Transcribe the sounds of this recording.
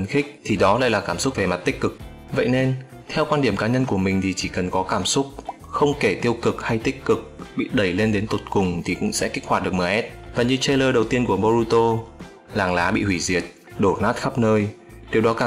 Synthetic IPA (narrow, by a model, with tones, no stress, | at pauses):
nxï˦˥k̚t̪ʰi˨˩ɗɔ˨˦la̰ː˧˨jlaː˨˩kaː˧˩msʊ˦˥k͡p̚ve˨˩ma˨˩t̚t̪ï˦˥k̟̚kɨ˨˩k̚ | və̰˧˨jne˧n | t̪ʰɛ˧wkwaː˧nɗi˧˩əmkaː˨˦ɲə˧nku˧˩əmï˨˩ŋ̟t̪ʰi˨˩t͡ɕi˧˩kə˨˩nkɔ˨˦kaː˧˩msʊ˦˥k͡p̚ | xə˧wŋ͡mke˧˩t̪i˧əwkɨ˨˩k̚ha˧jt̪ï˦˥k̚kːɨ˨˩k̚ɓḭ˧˨ɗə˨˧˩jle˧nɗe˨˦nt̪o˨˩t̚kʊ˨˩ŋ͡mt̪ʰi˨˩kʊ̰˧˥ŋ͡msɛ̰˧˥ki˦˥k̚hwaː˨˩ɗɨ˨˩ək̚məː˨˩ʔɛ˦˥t̚vaː˨˩ɲɨ˧t͡ɕe˧ləː˧˩ɗə˨˩wt̪i˧ənku˧˩əɓo˧ɾu˧t̪o˧ | laː˨˩ŋlaː˨˦ɓḭ˧˨hwi˧˩zi˨˩ət̚ | ɗo˧˩naː˦˥t̚xa˦˥p̚nəː˧j | ɗi˨əwɗɔ˨˦kaː˧˩